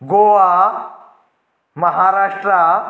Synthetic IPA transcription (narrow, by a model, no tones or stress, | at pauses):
ɡoʋa | məɦaɾaʂʈɾa